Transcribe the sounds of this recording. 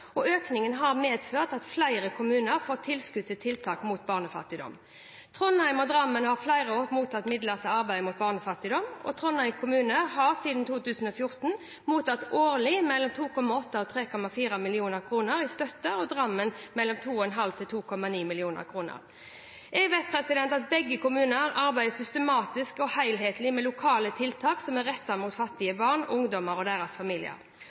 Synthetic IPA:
ɔøːknɪŋənɦɑʁmeːd̪føːʁt̪ɑt̪flæɪʁəkʰʊmʉːnəʁfɔːt̪ʰːɪlskʉt̪ʰːɪt̪ʰɪlt̪ʰɑːkmuːt̪̚bɑːʁnəfɑ̰t̪ːɪd̪ɔ̰m | t̪ʰʁɔnhæɪmɔd̪ʁɑmːənhɑʁflæɪʁəoːmuːt̪ʰɑt̪ːmɪd̪ləʁt̪ʰəɑʁbæɪmʊːt̪̚bɑːʁnəfɑt̪ːɪd̪ɔmɔ̰t̪ʰʁɔnhæɪmkʰʊmʉːnəʁhɑʁsiːd̪n̩t̪ʰuːt̪ʉːsn̩ɔfjʊʁt̪n̩ | muːt̪ɑt̪ːoːʁlɪmɛlːɔmt̪ʰuːkɔmɑɔt̪ːɑɔt̪ʰɾeːkɔmɑfiːɾɑmɪlɪuːnəʁkʰɾuːnəɾɪst̪œt̪ːəɔd̪ʁɑmːənmɛlːɔmt̪ʰuːɔɛnɦɑlt̪ʰɪlt̪ʰuːkʰɔmɑniːmɪlɪuːnə̰ɾkʰɾuːnə̰ɾ | ɛɡʋeːt̪̚pʰɾɛsɪd̪ɛnt̪ɑt̪̚bɛɡːəkʊmʉːnəɾɑɾbæɪd̪əsʏst̪əmɑːt̪ɪskɔhæɪlɦeːt̪lɪmɛlʊkʰɑːlət̪ʰɪlt̪ʰɑːksɔmæʁːɛt̪ːɑmut̪fɑt̪ːɪəbɑʁɳʔʊŋd̪ɔməɾɔd̪æːɾɑsfɑmiːlɪ̰ə̰ɾ

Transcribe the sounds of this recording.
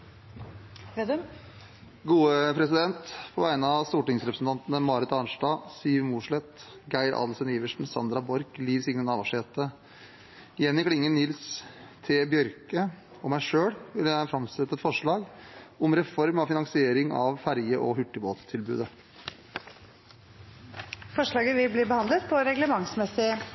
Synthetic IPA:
ɡuːəpʰɾɛsɪd̪ɛnt̪pʰɔʋæɪnəɑʋst̪uːʈɪŋsɾɛpɾəsn̩t̪ʰɑnt̪ənəmɑːɾət̪ɑnʂɖɑːsiːʋmuːʂɭɛt̪ | ɡæɪɾʔɑ̰d̪sɛniːʋəʂɳ̩sɑnd̪ɾɑbɔɾkliːʋsɪŋnənɑːʋɑʂheːt̪ə | ɪjɛnːɪkʰlɪŋːənɪlst̪ʰɛbjœɾkə | ɔmæɪʂøːɽʋɪlæɛfɾɑmsɛt̪ːəɛt̪fɔʂɭɑːɡʊmɾɛfɔɾmɑfɪnɑŋsɪeːɾɪŋɑ̰ʋfæɾjəʔɔhʉʈːəboːt̪t̪ʰɪlbʉ̰ːd̪ə | fɔʂɭɑːɡəʋɪbliːbəhɑnd̪lət̪pʰɔɾɛɡləmɑŋsmɛsɪ

